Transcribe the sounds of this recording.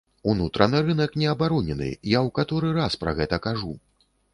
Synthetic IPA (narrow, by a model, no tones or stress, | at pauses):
unut̪ɾɐnɨɾɨnɐknʲɛɐbaɾɔnʲɛnɨ̰jawkat̪ɔɾɨɾaspɾɐ̰ɣɛt̪ɐkaʐu